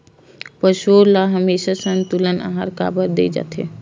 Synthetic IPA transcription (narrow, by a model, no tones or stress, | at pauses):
pəʃoːɾlaɦəmeːʃasə̃nt̪uləna̰ɦa̰ɾka̰ːbəɾd̪ḛːd͡ʒa̰ːt̪ɦḛː